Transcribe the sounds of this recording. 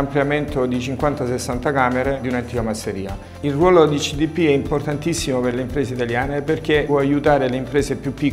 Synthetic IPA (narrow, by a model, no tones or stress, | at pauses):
ampljament̪od̪it͡ʃiŋkwant̪asesːant̪akaːmeɾed̪iunant̪iːkamasːeɾḭːa̰ | ilrwɔːlod̪it͡ʃid̪ipːiɛimport̪ant̪isːimoperleimpɾeːseit̪aljaːneperk̟ewɔajut̪aːɾeleimpɾeːsepjupːikː